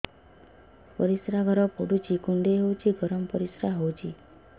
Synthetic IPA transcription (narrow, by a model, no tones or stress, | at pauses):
pəɾisɾaɡʱəɾɔpoɽut͡ʃʰikuɳɖeɦowt͡ʃʰiɡʱəɾəmpəɾisɾaɦowt͡ʃʰi